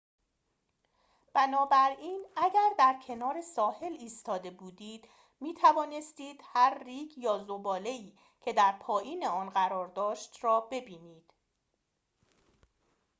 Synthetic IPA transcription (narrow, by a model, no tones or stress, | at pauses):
b̥ænɒːbæɾiːnæɟæɾd̪æɾcʰe̞nɒːɾe̞sɒːhe̞liːst̪ɒːd̪e̞buːd̪iːd̪̥ | miːt̪ʰævɒːne̞st̪iːd̪̥hæɾːiːɡjɒːzobɒːle̞iː | cʰe̞d̪æɾpʰɒːjiːne̞ɒːnɢæɾɒːɾd̪ɒːʃt̪rɒːbe̞biːniːd̪̥